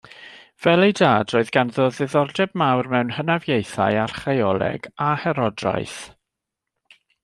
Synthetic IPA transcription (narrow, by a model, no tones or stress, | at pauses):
v̥ɛlˠejdaːdroːɨðɡanðoːðɪðɔrdɛb̚mawrmɛwnhənavjejθa̰jarχrejɔlˠɛ̰ɡahɛɾɔdra̰jθ